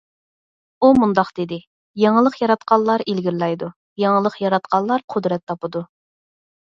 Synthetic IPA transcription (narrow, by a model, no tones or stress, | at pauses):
umund̪ɑqd̪̥ɪd̪ɪ | jeŋəlˠəqjɑɾɑt̪qʰɑlˠːɑɾilɡʲiɾlɛjd̪u | jeŋəlˠəqjɑɾɑt̪̚qʰɑlˠɑɾqʰʊd̪ɾɛt̪ʰːɑpɨd̪u